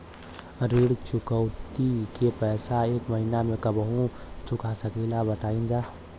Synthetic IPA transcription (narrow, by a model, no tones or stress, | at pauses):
ɾiɽt͡ʃʊkəʊt̪ikepɛːsaeːkməɦinamẽkəbəɦũt͡ʃʊkasəkilabət̪aːind͡ʒaː